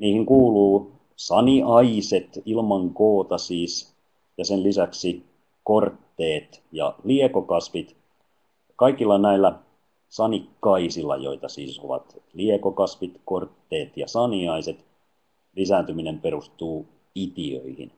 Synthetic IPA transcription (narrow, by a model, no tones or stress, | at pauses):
niːhiŋkuːluː | sɑniɑiset̪ilmɑŋkoːt̪ɑsiːs | jɑsenlisæksi | kort̪ːeːt̪jɑ̰liekokɑsʋit̪ | kɑikilːɑnæilːæ | sɑnikːɑisilːɑ̰jo̞̰it̪ɑsḭːsoʋɑ̰t̪liekokɑsʋit̪kort̪ːeːt̪jɑsɑniɑiset̪ | lisæːnt̪yminempeɾust̪uː | it̪iø̰ihḭn